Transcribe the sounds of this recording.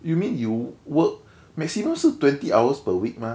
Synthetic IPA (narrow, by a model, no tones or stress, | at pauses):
jumĩnjuwək̚ | mɛksimə̃msutwɛ̃ntiʔawəspəwik̚mã